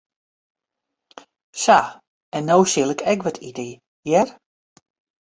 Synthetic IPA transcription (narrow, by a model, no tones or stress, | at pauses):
sa | ɛnːowsɪlˠɪkʰɛkʋɔtʰidəj | jɛr